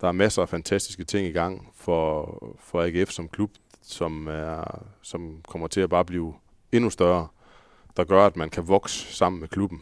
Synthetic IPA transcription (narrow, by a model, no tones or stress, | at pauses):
d̥ɑ̈æɐmæsəæfænt͡sʰæsd̥isɡ̥ət͡sʰe̝ŋ̰iɡ̥ɑ̈ŋ̰fɒ̽fɒ̽æɡ̥efsɒ̽mkʰlub̥ | sɒ̽mæɐsɒ̽mkʰɒ̽m̰ɐt͡sʰe̝æb̥ɑ̈ːb̥liːʊ | e̝nusd̥ɶɐɐ | d̥ɑ̈ɡ̥ɶɐæd̥mænkʰæʋɒ̽ɡ̥sə̥sɑ̈m̰n̩mekʰlub̥n̩